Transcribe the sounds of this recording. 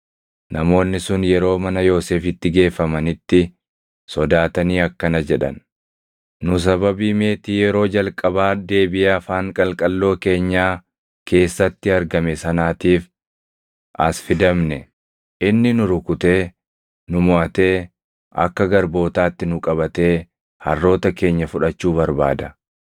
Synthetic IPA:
nɐmo̞ːnːɪsʊnjɛɾo̞ːmɐnɐjo̞ːseːfɪt̪ːɪɡe̞ːfːɐmɐnɪt̪ːɪ | sɔd̪aːt̪ɐniːɐkːɐnɐd͡ʒɛᶑɐ̰n | nʊs̬ɐβɐbiːme̞ːt̪iːjɛɾo̞ːd͡ʒɐlkʼɐbaːd̪e̞ːbɪjeɐfaːŋkʼɐlkʼɐlːo̞ːke̞ːɲːaː | ke̞ːsːɐt̪ːɪɐɾɡɐmɛsɐnaːt̪iːf | ʔɐsfɪd̪ɐmnɛ | ʔɪnːɪnʊɾʊkʊt̪e̞ː | nʊmɔʔɐt̪e̞ː | ʔɐ̰kːɐɡɐɾbo̞ːt̪aːt̪ːɪnʊkʼɐβɐt̪e̞ː | hɐ̰rːo̞ːt̪ɐke̞ːɲːɐfʊᶑɐt͡ʃːuːbɐɾba̰ːd̪ɐ

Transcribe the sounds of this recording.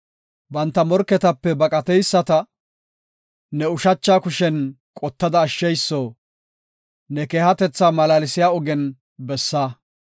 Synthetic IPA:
bɐnt̪ːɐmɔɾkːɛt̪ɐpːɛbɐkʼɐt̪ɛjsːɐt̪ɐ | nɛʊʃɐt͡ʃːaːkʊʃɛn | kʼɔt̪ːɐd̪ɐːʃːɛjsːoː | nɛkeːhɐt̪ɛt͡sːaːmɐlaːlɪsɪjaːɔɡɛn | bɛsːaː

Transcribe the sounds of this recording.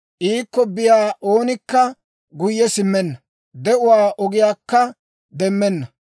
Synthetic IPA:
ʔiːkːɔbɪjaːʔo̞ːnɪkːɐ | ɡʊjːɛsɪmːɛnːɐ | d̪ɛʊwaːʔɔɡɪjaːkːɐ | d̪ɛmːɛnːɐ

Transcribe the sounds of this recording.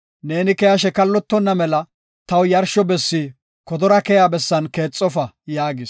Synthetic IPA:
ne̞ːnɪkɛjɐʃɛkɐlːɔt̪ːɔnːɐmɛlɐ | t̪ɐwjɐɾʃɔbɛsːi | kɔd̪ɔɾɐkɛjabɛsːɐnke̞ːt͡sʼːɔfɐ | jaːɡɪs

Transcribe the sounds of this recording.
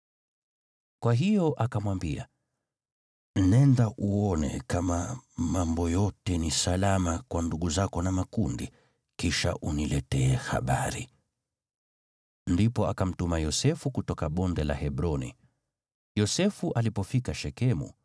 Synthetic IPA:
kwaɦijɔʔakamwambia̰ | n̩nɛndaʔuɔnɛ̰kamamambɔjɔtɛnisalamakwanduɠuzakɔnamakundi | kiʃa̰ʔunilɛtɛɛha̰ɓa̰ɾḭ | ndipɔakam̩tumajɔsɛfukutɔkaɓɔndɛla̰hɛbɾɔnḭ | jɔsɛfuʔalipɔfikaʃɛkɛmṵ

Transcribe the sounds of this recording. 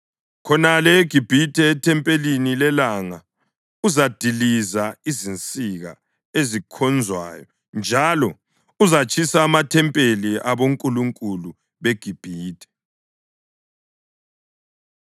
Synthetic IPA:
kʰɔnalɛeɡ̥ʱib̥ʱitʰʼɛːtʰɛmpʼelinilɛlaŋa | uzad̥ʱilizaizint͡sʼiɣa̰ | ezikʰɔnd͡zʱwa̰ːjɔ | nd͡ʒʱalɔ | uzat͡ʃʼʰisaːmatʰɛmpʼeliʔaβoŋkʼuluŋkʼulu | βeɡ̥ʱib̥ʱiːtʰʼɛ̥

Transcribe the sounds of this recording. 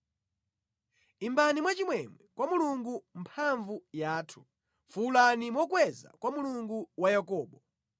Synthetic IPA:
imbanimwat͡ʃimwɛmwɛkwamuluŋɡumpʰaɱvujaːtʰu̥ | fulanimɔkwɛza̰kwamuluŋɡuwajakɔːɓɔ

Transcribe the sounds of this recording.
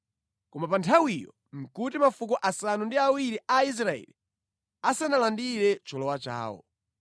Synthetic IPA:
kɔmapantʰawijɔ̰ | m̩kutimafukɔʔasanundiawiɾiʔais̬ɾaɛ̰li | asanalandiɾɛt͡ʃɔlɔwat͡ʃa̰ːwɔ̰

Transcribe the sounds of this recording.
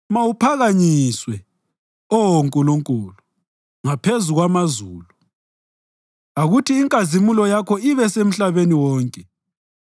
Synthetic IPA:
mawupʰaɣaɲiswɛ | ɔwoŋkʼuluŋkʼulu | ŋapʰezuɣwamazuːlu | aɣutʰiːŋkʼazimulɔjakʰɔiβɛsem̩ɬaβeniwɔːŋkʼɛ

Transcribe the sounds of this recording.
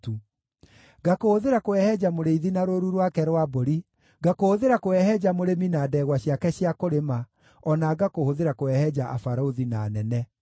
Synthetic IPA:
tu | ɡakohoðeɾakoɛhɛd͡ʑamoɾeiðinaɾoɾuɾwakɛɾwaboɾi | ɡakohoðeɾakoɛhɛd͡ʑamoɾeminaːdɛːɣwaɕjakɛɕiakoɾema | ɔnaɡakohoðeɾakoɛhɛd͡ʒaʔa̰faɾaoðinaːnɛnɛ

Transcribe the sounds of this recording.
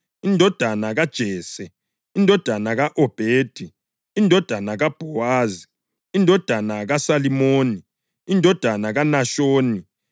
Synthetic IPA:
indʱɔd̥ʱanaɣad̥ʒ̥ʱɛːsɛ | indʱɔd̥ʱanaɣaʔɔb̥ʱeːd̥ʱi | indʱɔd̥ʱanaɣab̥ʱɔwaːzi | indʱɔd̥ʱanaɣasalimoːni | indʱɔd̥ʱanaɣanaʃoːni

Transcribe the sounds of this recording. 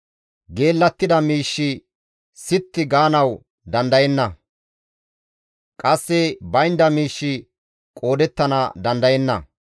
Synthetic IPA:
ɡe̞ːlːɐt̪ːɪd̪ɐmiːʃːɪ | sɪt̪ːɪɡaːnɐw | d̪ɐnd̪ɐjɛnːɐ | kʼɐsːɛbɐjnd̪ɐmiːʃːɪ | kʼo̞ːd̪ɛt̪ːɐnɐd̪ɐnd̪ɐjɛnːɐ̰

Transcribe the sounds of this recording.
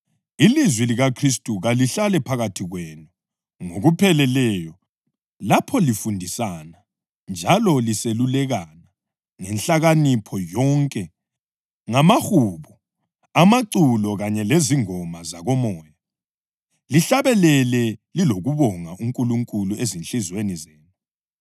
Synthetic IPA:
ilizwiliɣakʰristʼuɣaliɬalɛpʰaɣatʰiɣwɛnu | ŋoɣupʰɛlɛlɛjɔ | lapʰɔlifundʱisana | nd͡ʒʱalɔliselulɛɣana | ŋɛnɬaɣanipʰɔjɔŋkʼɛ | ŋamaxuβu | amaǀulɔɣaɲɛleziŋɔmazaɣɔmɔːja | liɬaβɛlɛlɛliloɣuβɔŋaʔuŋkʼuluŋkʼuluezint͡ɬizwenizɛːnu

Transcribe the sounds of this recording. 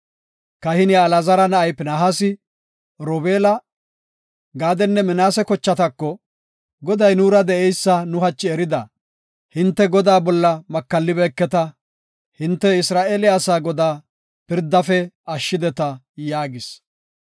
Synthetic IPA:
kɐhɪnjaːlɐzɐɾɐnɐɐjpːnɐɦɐsɪ | ɾɔbeːlɐ | ɡaːd̪ɛnːɛmɪnaːsɛkɔt͡ʃːɐt̪ɐkːɔ | ɡɔd̪ɐjnuːɾɐd̪ɛʔɛjsːɐnʊɦɐt͡ʃːɪɛɾɪd̪ɐ | hɪnt̪ːɛɡɔd̪aːbɔlːɐmɐkːɐlːɪbɛːkːɛt̪ɐ | hɪnt̪ːɛɪsɾaːʔeːlɪasaːɡɔd̪aː | pɪɾd̪ːɐfɛɐʃːɪd̪ɛt̪ɐ | jaːɡɪs

